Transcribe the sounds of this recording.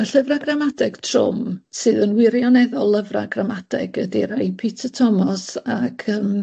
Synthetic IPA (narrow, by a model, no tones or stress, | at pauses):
əɬəvraɡramadɛɡ̥tʰrʊ̰msɨːðənwɪɾjɔnɛðɔlˠːəvra̰ɡramadɛ̰ɡ̥ədiɾajpʰitʰətʰɔmɔsakʰəm